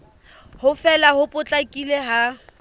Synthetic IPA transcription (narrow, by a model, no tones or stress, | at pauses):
hʊfɛlahʊpʼʊt͡ɬʼakʼileɦa